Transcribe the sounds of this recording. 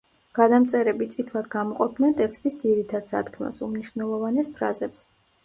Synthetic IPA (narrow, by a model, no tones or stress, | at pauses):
ɡ̥ad̪amt̪sʼɛɾɛbit̪sʼit̪ʰlˠad̪ɡamɔqʼɔp̚ʰd̪ɛnt̪ʼɛkst̪ʼisd̪ziɾit̪ʰad̪̥sa̰t̪kʰmɛ̰sumniʃwnɛlˠɔvanɛspʰɾa̰zɛps